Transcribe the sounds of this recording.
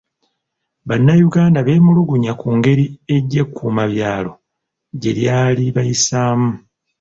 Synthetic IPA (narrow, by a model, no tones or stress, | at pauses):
βanːajuɡaːndaβe̞ːmuluɡuɲakuːŋɡe̞ɾie̞ɟːe̞kʰːuːmaβjaːlo̞ | ɟe̞ljaːliβajisaːmu